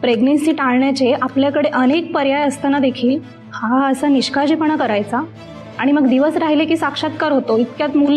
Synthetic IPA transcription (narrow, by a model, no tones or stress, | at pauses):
pɾeɡnensiːʈaɭɳjat͡ɕeʔapljakəɽeʔənek̚pəɾjajəst̪anad̪ekʰiːl | haəsaniɕkad͡ʑipəɳ̃akəɾajt͡sa | aɽ̃iməɡd̪iʋəsɾaɦilekiːsakʂat̪̚kaɾɦot̪oit̪kjat̪mul